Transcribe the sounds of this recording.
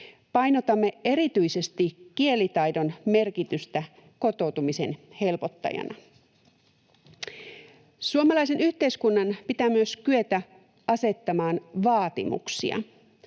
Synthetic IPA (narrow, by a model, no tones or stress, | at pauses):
pɑjno̞t̪ɑmːeeɾit̪yise̞st̪ikːielit̪ɑjdo̞nme̞rkit̪yst̪æ | ko̞t̪o̞wt̪umisenhe̞lpo̞t̪ːɑ̰jɑ̰nɑ̰ | suomɑlɑjs̬e̞nyht̪e̞iskunːɑnpit̪æmyøskyet̪æ | ʔɑse̞t̪ːɑmɑːnʋɑːt̪ḭmṵksḭɑ̰